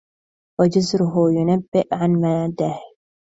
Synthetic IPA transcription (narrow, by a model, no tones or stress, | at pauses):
wad͡ʒʊzɾʊɦʊjʊnabːɪʔʕanmad̪aːh